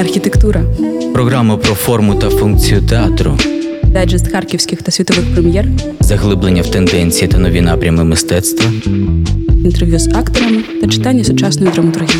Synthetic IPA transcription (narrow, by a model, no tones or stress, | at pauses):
ɐrxʲit̪ekt̪uɾɐpɾɔɣɾamɐpɾɔfɔrmʊt̪ɐfunk̚t͡sʲijʊt̪eat̪ɾʊ̰ | d̪ɛd͡ʒɪst̪xɑrkʲiwsʲkʲɪxt̪ɐsʲʋʲit̪ɔʋɪxpɾemʲjɛr | zɐɦlˠɪblenʲːɐwt̪end̪ɛnʲt͡sʲijit̪ɐnɔʋʲinɑpɾʲɐmɪmɪst̪ɛt̪st̪ʋɐ | nint̪erʋʲjʲuzɑkt̪ɔɾɐmɪt̪ɐt͡ʃɪ̥t̪ɑnʲːɐsʊt͡ʃɑsnɔjʊd̪ɾɐmɐt̪ʊrɦʲi